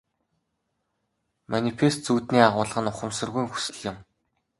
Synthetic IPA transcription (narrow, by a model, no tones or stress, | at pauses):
manʲipʰest͡suːt̪niːaʁʊːɮə̆χə̆nʊχə̆msɵ̆rɣujŋxu̥sɘ̆ɮjɪ̆m